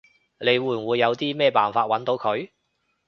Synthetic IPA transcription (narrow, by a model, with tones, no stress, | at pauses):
le˨˧jwuː˨˩nwuː˨˧jːɐ˨˧wt̪iː˥mɛː˥˧paː˨˩nfaː˧t̚wɐ˨˥nt̪o˨˧˥wkʰɵ˨˧ɥ